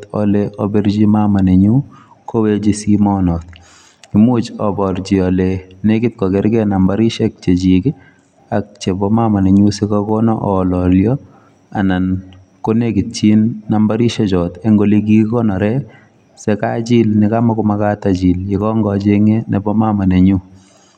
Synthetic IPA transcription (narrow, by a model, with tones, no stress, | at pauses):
tɔ̰lɛɔbɛɾd͡ʒi˦mama˨ne˨ɲu˦ | kʰo˦we˦d͡ʒisimɔnɔ˨t̪ | ɪmut͡ʃɔbɔ˨ɾd͡ʒi˨ɔ˨lɛnekɪ˦t̪̚kɔ˨kɛ˦ɾɡɛna˨mbaɾi˦ʃɛk̚t͡ʃet͡ʃikɪ˦ | a˨k̚t͡ʃe˨bɔ˦mama˨ne˨ɲu˦sɛ˦kakɔnɔ̰ʔɔlɔljɔ˦ | a̰˨na˨n | ko˦nekɪ˨t̚t͡ʃi˦nːamba˦ɾi˦ʃɛ˦t͡ʃɔ˨t̪eŋɡoli˦k̬i˦kɔ˦nɔ˨ɾɛ˦ | sɛka˦t͡ʃi˦lnɪka˦ma˦kʊmaka˦tad͡ʒi˨ljɪ˨kɔ˦ŋɡɔ˨d͡ʒe˦ŋe˦nɛ˨bɔ˦ma˦ma˨ne˨ɲu˦